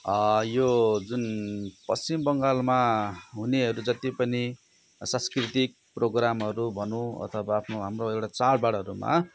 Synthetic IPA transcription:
ʌjod͡zunpʌst͡simbʌŋɡalmaɦuneʌɾud͡zʌt̪ipʌni | sãnskrit̪ik̚proɡramɦʌɾubʱʌnũʌ̰t̪ʰʌbaːpʰnoɦamroekʈat͡saɽbaɽɦʌɾuma̰

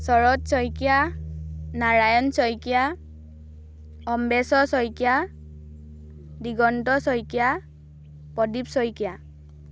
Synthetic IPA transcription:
sɔɹɔtsɔjkija | naɹajɔnsɔjkija | ɔmbesɔsɔjkija | diɡɔntɔsɔjkija | pɔdipsɔjkija

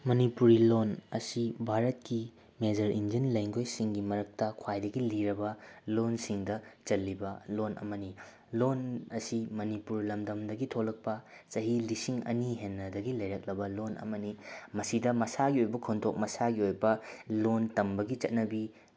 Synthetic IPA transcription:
mɐnipuɾilonɐsibʱaɾɐt̚ki | med͡ʒɐɾind͡ʒinlɐjŋɡojsiŋɡimɐɾɐk̚tɐkʰwajdɐɡiliɾɐbɐlonsiŋdɐt͡ʃɐlːibɐlonʔɐ̰mɐni | lonɐsimɐnipuɾlɐmdɐmdɐɡitʰolɐk̚pɐ | t͡ʃɐɦilisiŋɐ̰niɦenːɐdɐɡilɐjɾɐk̚lɐbɐlonʔɐ̰mɐnimɐsidɐmɐsaɡiojbɐkʰontʰok̚mɐsaɡiojbɐlontɐmbɐɡit͡ʃɐt̚nɐbi

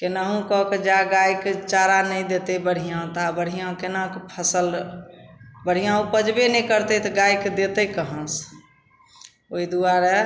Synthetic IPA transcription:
kenaɦũkɔked͡ʒaɡajkt͡ʃaɾanəjd̪et̪ebəɽ̤ijãt̪abəɽ̤ijãkenakpʰəsəl | bəɽ̤ijãũpəd͡ʒbenɛ̃kəɾt̪et̪ɔɡajkd̪et̪əkəɦə̃s | oid̪uaɾɛ

